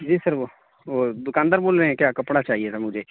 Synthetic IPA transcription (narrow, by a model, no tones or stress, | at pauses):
d͡ʒiːsəɾʋoː | ʋoːd̪ʊkaːnd̪əɾboːlɾəeɛ̃kjaːkɐpɽat͡ʃaːɦiet̪ʰamʊd͡ʒʱeː